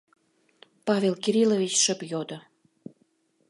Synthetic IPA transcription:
pɑvʲelkiɾilovʲit͡ɕʃə̆pjod̪ŏ

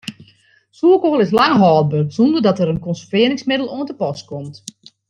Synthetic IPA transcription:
suəkoːlˠɪslaŋɦɔːl̚bərsundərdɔtəɾənkɔnsəfɪəɾɪŋsmɪdəlˠoəntəpɔskɔmt

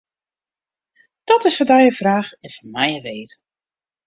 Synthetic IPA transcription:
d̥ɔtɪsfɔdɛjəfraːxɛnfɔnmɛjəʋeːt

